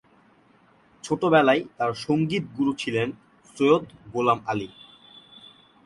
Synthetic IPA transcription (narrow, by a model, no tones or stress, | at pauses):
t͡ɕʰoʈobɛlajt̪aɾʃoŋɡit̪̚ɡuɾut͡ɕʰilen | sɾojot̪ɡolamali